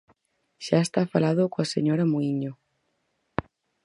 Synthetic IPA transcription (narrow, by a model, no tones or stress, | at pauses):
ʃaest̪afalaðokoaseɲoɾamoiɲo